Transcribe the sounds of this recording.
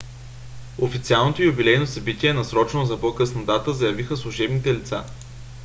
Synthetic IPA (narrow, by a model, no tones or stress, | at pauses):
ofit̪sialˠnot̪oijʊbilɛjnosɐbit̪ʲiɛnɐsɾɔt͡ʃnozɐpɔkɤsnɐt̪at̪əzɐjɐvixəslˠʊʒɛbnit̪ɛlit̪sa